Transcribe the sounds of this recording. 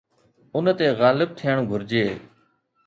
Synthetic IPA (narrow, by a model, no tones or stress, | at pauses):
ʊnt̪eːɣaːlɪb̚t̪ʰɪjəɳɡʱʊɾd͡ʒeː